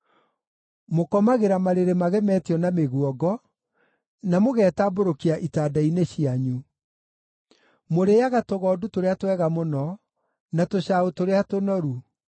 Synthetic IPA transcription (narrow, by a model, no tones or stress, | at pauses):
mokɔmaɣeɾamaɾeɾemaɣɛmɛːtiɔnameɣuɔɡɔ | namoɣɛːtaboɾokiaʔitaːdaineɕiaɲu | moɾejaɣatoɣɔːdutoɾeatwɛɣamonɔ | natoɕaotoɾeatonɔɾu